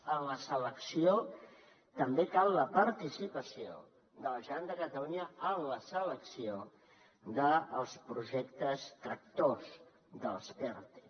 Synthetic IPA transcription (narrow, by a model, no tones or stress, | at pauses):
ənləsələksio | t̪əmbekalˠləpəɾt̪isipəsio̰ | d̪əlʒəand̪əkət̪əluɲəəmləsələksio | d̪əːlˠspɾuʒɛkt̪əst̪ɾək̚t̪oz | d̪əlspɛɾt̪e̥